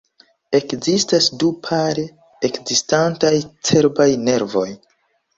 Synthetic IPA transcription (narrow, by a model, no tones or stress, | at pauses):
e̞kzistasdupʰaɾe | ekzistantajt͡se̞ɾbajne̞ɾvo̞j